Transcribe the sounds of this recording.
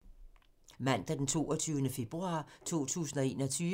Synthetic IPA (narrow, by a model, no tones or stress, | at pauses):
mæn̰d̥æɐd̥ent͡sʰo̝̰ːɒt͡sʰyʊnəfe̝b̥ʁuɑ̰̈ːt͡sʰo̝̰ːt͡sʰṵːsn̩ɒe̝ːnɒ̽t͡sʰyː